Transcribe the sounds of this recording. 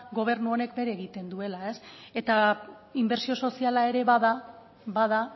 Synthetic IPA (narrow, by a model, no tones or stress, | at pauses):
ɡo̞β̞e̞ɾnuo̞ne̞kbe̞ɾeːɣ̞it̪e̞nd̪ue̞lae̞se̞t̪a | imbe̞ɾsio̞so̞sialae̞ɾe̞βaða | bað̞a